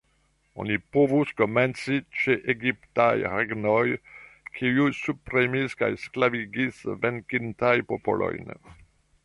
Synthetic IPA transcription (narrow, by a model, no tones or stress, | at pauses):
o̰nipovuskoment͡sit͡ʃeʔeɡiptajɾeɡnojkʰiujsupɾimiska̰jsklaviɡisveŋkintajpopo̰lo̰jn